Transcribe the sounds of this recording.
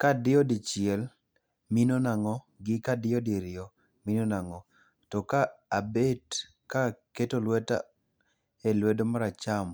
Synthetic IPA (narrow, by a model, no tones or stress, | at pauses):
kadɪɔdit͡ʃɪɛl | minonaŋɔ | ɡɪkadɪjɔdiɾɪɔ | minonaŋɔ | tɔkaːbet | kaketolwɛta̰ | ɛlwɛdmaɾat͡ʃam